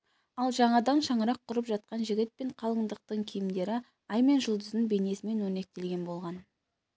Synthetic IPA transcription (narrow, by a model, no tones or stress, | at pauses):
ɑlˠʒɑɴɑd̪ɑnʃɑɴəɾɑqʰːʊɾəpʒɑt̪̚qɑnʒɪɡʲɪt̪̚peɴqʰɑlˠəɴd̪əq̚t̪əɴkʲʰijɪmd̪e̞ɾɪ | ɑjme̞nʒʊlˠd̪əzd̪ɪŋbe̞ne̞sɪme̞nwɵne̞k̚t̪e̞lɡʲe̞nbo̞lˠʁɑn